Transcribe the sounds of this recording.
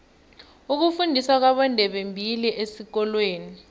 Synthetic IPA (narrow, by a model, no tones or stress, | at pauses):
uk̬ufundʱiswak̬waɓɔndʱɛɓembʱiliʔesik̬ɔlweːni